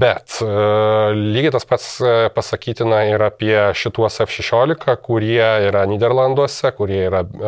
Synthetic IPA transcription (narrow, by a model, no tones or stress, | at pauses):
bʲɛt̪ | lʲiːɡʲɪt̪ɐspɐt̪spɐsɐkʲiːt̪ʲɪnɐɪɾɐpʲiɛʃʲɪt̪uɔsɛfʃʲɛʃʲoːlʲɪkɐkʊɾʲiɛiːɾɐnʲiːd̪ʲɛɾlˠɐnd̪uɔsʲɛkʊɾʲiɛiːɾɐ